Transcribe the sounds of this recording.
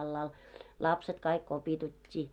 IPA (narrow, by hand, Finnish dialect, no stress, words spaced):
ɑlːɑːl lɑpset kɑik kopitutʲːiː